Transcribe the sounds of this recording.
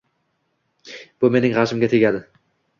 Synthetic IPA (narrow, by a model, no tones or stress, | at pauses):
b̥ʊme̞nɪŋʁɑʃɪmɡʲat̪ʰeɡʲad̪ɪ